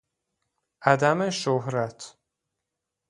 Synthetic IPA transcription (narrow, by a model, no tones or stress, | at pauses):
ʔæd̪æmeʃohɾæt̪ʰ